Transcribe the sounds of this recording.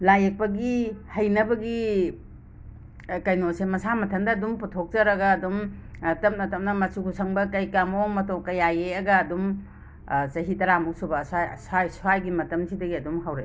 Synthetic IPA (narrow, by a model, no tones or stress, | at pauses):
lajek̚pɐɡihɐjnɐbɐɡi | kɐjnosemɐsamɐtʰɐndɐːdumputʰok̚t͡ʃɐɾɐɡɐːdumtɐm̚nɐtɐmnɐmɐsukʰusʰɐŋbɐkɐjkamomɐtokɐjajeɐɡɐːdum | t͡ʃɐɦitɐɾamusubɐsajsajsuajɡimɐtɐmsʰidɐɡiɐdumɦawɾɐ